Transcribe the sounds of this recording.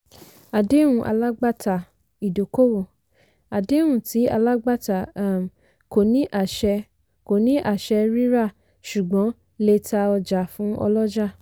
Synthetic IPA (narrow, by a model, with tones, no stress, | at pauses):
a˨de˦wũ˨ʔa̰˧la˦ɡ͡ba˦˨ta˨ | i˨do˨ko˦wo˦˨ | a˨de˨˦wũ˦˨ti˨˦a̰˧la˦ɡ͡ba˦˨ta˨˦˨ | ko˨nĩ˨˦ʔa˦˨ʃɛ˧ | ko˨nĩ˦ʔa˦˨ʃɛ˧ɾi˦ɾa˦˨ | ʃu˨ɡ͡bɔ̃˨˦ | le˧ta˧ɔ˧d͡ʒa˨fũ˨˦ɔ̰˧lɔ˦d͡ʒa˦˨